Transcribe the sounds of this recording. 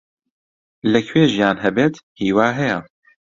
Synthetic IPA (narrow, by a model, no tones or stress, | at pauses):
lɛkʰweːʒijaːnɦɛbeːt̪hiːwaːɦɛjɛ